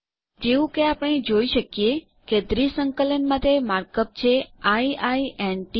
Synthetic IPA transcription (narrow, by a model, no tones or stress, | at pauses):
d͡ʒeʋũkeapəɳ̃ed͡ʒoiʃəkje | ked̪ɾisəŋkələnmat̪emaɾkəp̚t͡ʃʰeaiaienʈi